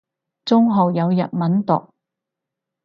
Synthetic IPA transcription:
t͡sʊ˥ŋɦo˨wjɐ˨˧wjɐ̰˨t̚mɐ˨˥nt̪ʊ̰˨k̚

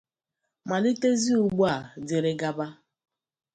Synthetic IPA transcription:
ma˨li˦te˦zi˦u˨ɡ͡bu˦a˨dɪ˨ɾɪ˦ɡa˦ba˦

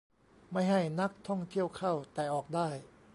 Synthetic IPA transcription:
ma˥˩jha˥˩jna˦˥k̚t̪ʰɔ˥˩ŋt̪ʰi˥˩əwkʰa˥˩wt̪ɛː˨˩ʔɔː˨˩k̚daː˥˩j

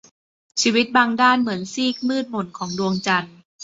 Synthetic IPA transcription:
t͡ɕʰiː˧wi˦˥t̪̚baː˧ŋdaː˥˩nmɯ˩˦ənsiː˥˩k̚mɯː˥˩t̪̚mo˨˩nkʰɔː˩˦ŋdu˧əŋt͡ɕa˧n

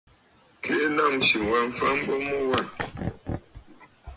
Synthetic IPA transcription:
kʰe˦la˦˨mʃi˨wa˦˨ɱ˨fa˦m̩˦bɔ˦mu˦wa˦˨

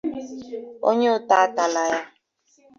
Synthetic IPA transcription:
o̰˦ɲe˦ʊ˦ta˨a˦ta˨la˨ja˦

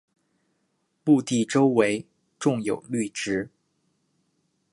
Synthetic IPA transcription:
mu˥˧t̪i˥˩ʈ͡ʂo˥ʊwe˧˥ɪ | ʈ͡ʂʊ˥˩ŋjo̰˨˩ʊly˥˩ʈ͡ʂɻ̩˧˥

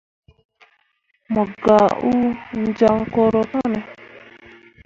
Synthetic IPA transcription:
mɔ˨ɡa˨u˦n̩˦d͡ʒa˦ŋ̩˦kɔ˦ɾɔ˨ka˦nɛ˨

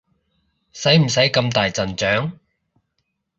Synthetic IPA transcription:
sɐ˨˥jm̩˨˩sɐ˨˥jkɐ˧mt̪aː˨jt͡sɐ˨nt͡ʃœː˨˥ŋ

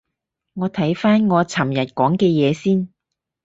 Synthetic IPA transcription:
ŋɔː˨˧t̪ʰɐ˨˥jfaː˥nŋɔː˨˧t͡sʰɐ˨˩mjɐ˨t̚kɔː˨˥ŋkɛː˧jɛː˨˧siː˥n

